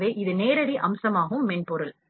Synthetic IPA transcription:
ʋeːʔɪðɯneːɾɐɽiʔɐmsɐmaːɣɯmːɛɳpɔɾɯl

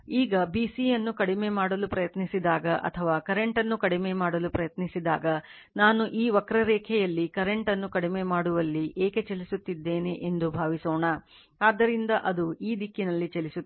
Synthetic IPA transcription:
iːɡɐbiːsijɐnːukɐɽimemaːɽɐlupɾɐjɐt̪nisid̪aːɡɐʔɐ̰t̪ʰɐʋaːkɐɾe̞ɳʈɐnːukɐɽimemaːɽɐlupɾɐjɐt̪nisid̪a̰ːɡɐ | naːnuʔiːʋɐkɾɐɾɛːkʰɛjɐlːikɐɾe̞ɳʈɐnːukɐɽimemaːɽuʋɐlːiʔeːke̞t͡ʃelisut̪ːid̪ːeːneʔend̪ubʱaːʋisoːɳɐ | aːd̪ːɐɾind̪ɐʔɐd̪uiːd̪ikːinɐlːit͡ʃɐlisu

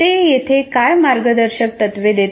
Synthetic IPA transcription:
ejet̪ʰekajmaɾɡəd̪əɾɕək̚t̪ət̪ʋed̪et̪

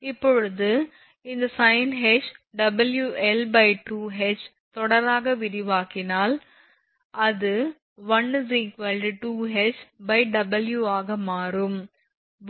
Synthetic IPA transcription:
ɪpːɔɻɯðɯ | ɪnd̪ɐsɐɪnɦɛt͡ʃɖɐbɐljuʔɛlbɐɪʈuːɦɛt͡ʃ | t̪ɔɽɐɾaːɣɐʋɪɾɪʋaːkɪnaːl | ʔɐðɯ | ʋɐnzikʋɐlʈiʈuːɦɛt͡ʃbɐɪɖɐbɐljuaːɣɐmaːɾɯm

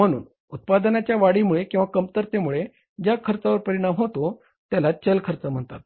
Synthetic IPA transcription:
m̤əɽ̃ṵːn | ut̪̚pad̪nat͡ɕjaʋaɽimuɭekĩw̃ʋakəmt̪əɾt̪emuɭe | d͡ʑjakʰəɾt͡saʋəɾpəɾiɽ̃amɦot̪o | t̪jalat͡ɕəlkʰəɾt͡səm̤əɳt̪a̰t̪̚

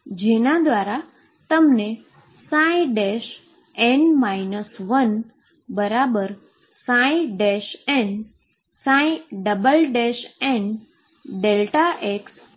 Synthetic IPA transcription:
d͡ʒenad̪ʋaɾa | t̪əmne | sãĩɖɛʃ | ɛnmainəsʋən | bəɾabəɾ | sãĩɖɛʃɛ̃n | sãiɖəbəlɖɛʃɛ̃n | ɖelʈaʔeks

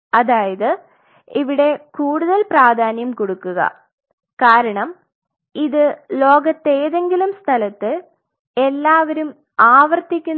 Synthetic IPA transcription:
ɐðaːjɐðɨ | iʋiɽe̞kuːɽuðɐlpraːd̪ʱaːnjɐmkoɽukːuɣɐ̰ | kaːɾɐɳɐm | iðɨlo̞ːɡɐt̪ːeːðe̞ŋɡilumst̪ʰɐlɐt̪ːɨ | elːaːʋɐɾum | aːʋɐrt̪ikʲːun

